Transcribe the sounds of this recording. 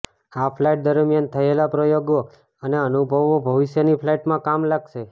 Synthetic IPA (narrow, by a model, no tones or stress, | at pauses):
afʰlajʈ̚d̪əɾmjant̪ʰəelapɾəjoɡo | əneənubʱəʋobʱəʋiʃjənipʰlaiʈmãkamlaɡʃe